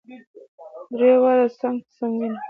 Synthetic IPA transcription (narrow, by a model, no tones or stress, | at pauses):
d̪ɾewaɾasaŋsaŋɡin